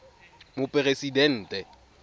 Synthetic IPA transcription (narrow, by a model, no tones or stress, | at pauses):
mʊpʼɪresidɛn̩ːtʼɛ